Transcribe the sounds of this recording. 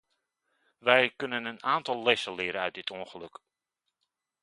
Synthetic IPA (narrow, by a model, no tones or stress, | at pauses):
ʋɛjkɵnənənaːntɑlˠːɪsəlɪəɾənœɥt̚dɪtʰuə̃nχəlɵk